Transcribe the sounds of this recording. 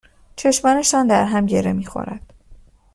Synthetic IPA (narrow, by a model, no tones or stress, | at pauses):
t͡ʃʰe̞ʃmɒːneʃɒːnd̪æɾɦæmɟe̞ɾemiːxo̰ɾæ̰d̪̥